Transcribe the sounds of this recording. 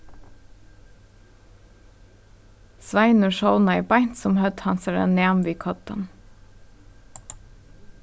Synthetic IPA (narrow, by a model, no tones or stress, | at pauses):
sʋæɪnəʃɔʊnɑɪbæɪt̪sɔmhœd̪hɑnsəɾɛ̰neːmʋiːkʰɔt̪ə̰n